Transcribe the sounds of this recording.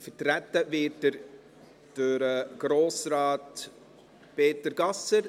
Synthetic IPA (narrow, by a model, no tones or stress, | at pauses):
fəɾtɾætːəvɪːt̚dəɾ | d̥øɾəɡ̥ɾoːsɾɑːt | peːtəɾɡ̥ɑsəɾ